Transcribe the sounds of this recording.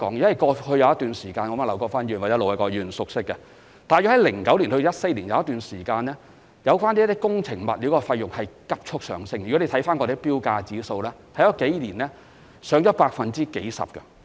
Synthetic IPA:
kɔ̰ː˨˥ŋ˨˥wɐ˨˩jkɔː˧hʰɵ˧ɥjɐ˧wɐt̪yː˨nsiː˨˩kaː˧nŋɔː˨˧˥ma˨˩lɐ˨˩wkɔː˧kfaː˥nyː˨˩nwt͡ɕɛ˨˦˥lo˨whɐ˨˧jkɔː˧jyː˨nsʊ˨k̚sɪ˥kːɛ˧ | t̪aː˨˩jy˨˩hɐ˨˦jlɪ˨˩ŋkɐ˨˥wliː˨˩nho˧˨˦ɐ˥t̚se˧jliː˨˩njɐ˨˧wɐ˥t̪ːyː˨nsiː˨˩kaː˧nlɛː˥ | jɐ˨˧wkfaː˥nt̪i˥t̪i˥kʊ˥ŋt͡sʰɪ˨˩ŋmɐ̰˨t̚liː˨˥wkɔː˧fɐ˧jjʊ˨˩ŋ̚hɐ˨jkɐ˥p̚t͡ʃʰʊ˥k̚sœ̰ː˨˧ŋsɪ˥ŋjy˨ɔ˨˥le˨˧t̪ʰjfaː˥nkɔ˧d̪eː˨˥piː˥wkaː˧t͡siː˨˥so˧wlɛː˥t̪ʰɐ˨˥jt͡ʃɔː˨˥ke˨˥jliː˨˩nlɛː˥ | sœː˨˥ŋt͡ʃɔː˨˦˥paː˧k̚fɐ˨nt͡siː˥ke˨˥jsɐ̰˨p̚kɐ˧

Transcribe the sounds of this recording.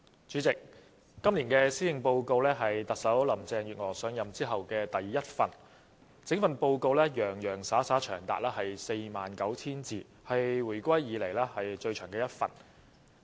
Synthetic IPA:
t͡syː˨˥t͡sɪ˨k̚ː | ɐ˥mliː˨˩nkɛː˧siː˥jɪ˨ŋpo˧wko˧wlɛː˥ɦɐ˨jt̪ɐ˨k̚sɐ˨˥wlɐ˨˩mt͡sɛː˧ŋɥyː˨t̚ŋɔː˨˩sœː˨˧ŋjɐ˨mt͡siː˥ɦɐ˨wkɛː˧t̪ɐ˨jːɐ˥t̚fɐ˨n | t͡sɪ˨˥ŋfɐ˨˧npo˧wko˧wlɛː˥jœː˨˩ŋjœː˨˩ŋsaː˨˥saː˨˥t͡ʃʰœː˨˩ŋt̪a̰ː˨k̚lɛː˥hɐ˨jse˧jmaː˨nkɐ˨˥wt͡sʰiː˥nt͡siː˨˩ | hɐ˨jwuː˨˩jkʷɐ˥jjiː˨˧le˨˩jlɛː˥hɐ˨jt͡ʃɵ˧t͡ʃʰœː˨˩ŋkɛː˧jɐ˥t̚fɐ̰˨˩n

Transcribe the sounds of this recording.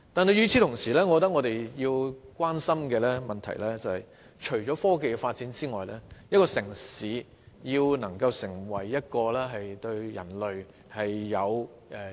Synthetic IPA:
t̪aː˨ne˨˧jyː˨˧t͡sʰi˧t̪ʰʊ˨˩ŋsiː˨˩lɛː˥ŋɔː˨˧kɔ˧t̪̬ːɐ˥kŋɔ˨˧t̪e˨jjiː˧wkwaː˥nsɐ˥mkɛː˧lɛː˥mɐ˨nt̪ʰɐ̰˨˩jlɛː˥t͡sɐ˨hɐ˨j | t͡ʃʰɵ˨˩ɥt͡ʃɔː˨˥fɔː˥ke˨jkɛ˧faː˧t̚t͡siː˨˥nt͡siː˥ŋɔː˨jlɛː˥jɐ˥t̚kɔː˧sɪ˨˩ŋsiː˨˧˥ | jiː˧wnɐ˨˩ŋkɐ˧wsɪ˨˩ŋwɐ˨˩jːɐ˥t̚kɔː˧lɛː˥ɦɐ˨jt̪ɵ˧ɥjɐ̰˨˩nlɵ˨ɥ | hɐ˨jːɐ˨˧w | ʔɛ˨˧

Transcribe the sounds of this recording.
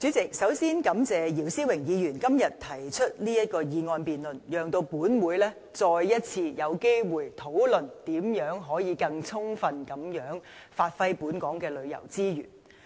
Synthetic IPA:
t͡sy˨˥t͡sɪ˨k̚sɐ˨˥wsiː˥nkɐ˨˥mt͡sɛː˨jiː˨˩wsiː˥wɪ˨˩ŋjiː˨˧jyː˨˩nkɐ˥mjɐ˨˩t̚t̪ʰɐ˨˩jt͡ʃʰɵ˥t̚liː˥jɐ˥t̚kɔː˧jiː˨˧ŋɔː˧npiː˨nlɵ˨njœː˨ŋt̪o˧wpuː˨˥nwuː˨˧˥jlɛː˥ | t͡sɔː˧jjɐ˥t̚t͡sʰiː˧jɐ˨˧wke˥jwuː˨jt̪ʰo˨˥wlɵ˨nt̪iː˨˧˥mjœː˨˥ŋɦɔː˨˥jiː˨˧kɐ˧ŋt͡sʰʊ˥ŋfɐ˧nkɐ˨˥mjœː˨˥ŋfaː˧t̚fɐ˥jpuː˨˥nkɔː˨˥ŋkɛː˧lɵ˨˧ɥjɐ̰˨˩wt͡siː˥jy̰ː˨˩n

